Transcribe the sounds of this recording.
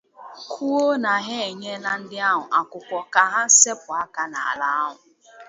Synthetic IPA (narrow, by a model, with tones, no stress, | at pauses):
kʰu˦o˦na˨ɦe˦e˨ɲe˦la˦n̩˦dɪ˦a˦ɦʊ˨ʔa˨kʊ˨kʷɔ˦ka˨ɦa˦se˦pʊ˨a˦ka˦na̰˨a˨la˦a˦ɦʊ˨